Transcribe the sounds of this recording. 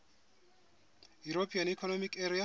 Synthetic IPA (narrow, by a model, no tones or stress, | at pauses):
juɾopʰʼianikʰɔnɔmikʰɛɾia